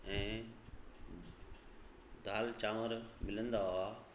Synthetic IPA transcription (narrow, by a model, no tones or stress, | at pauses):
ɛ̃ː | d̪ʱaːlt͡ɕaːməɾmɪlə̃nd̪aa